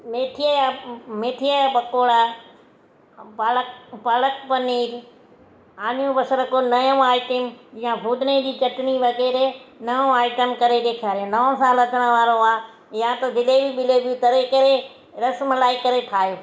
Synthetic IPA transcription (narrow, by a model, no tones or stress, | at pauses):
meːʈʰijəjameːʈʰijajapɐkoːɽaː | baːləkpaːləkpɐniːɾ | aːnijũbɐsəɾəkonɐjə̃aːɪʈɪmjãbʱuːd̪ned͡ʑiːt͡ɕɐʈniʋɐɣɛːɾenɐjõaːɪʈəmkɐɾeɗ̪eːkʰaːɾijõnɐʋõsaːlɐt̪əɽ̃ə̃ʋaːɾoaː | jãt̪ɐd̪ɪlebiɓɪlebut̪ɐɾekɐɾe | ɾɐsmlaːikɐɾeʈʰaːjoː